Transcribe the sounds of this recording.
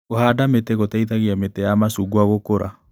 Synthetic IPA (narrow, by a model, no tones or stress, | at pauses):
ohaːdametɛɣotaitaɣiametɛjamasuɡwaɣokoɾa̰